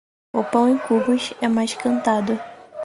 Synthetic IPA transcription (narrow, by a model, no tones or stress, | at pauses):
ʊpɐ̃w̃ẽkubʊʃɛmajʃkɐ̃nt̪ad̪ʊ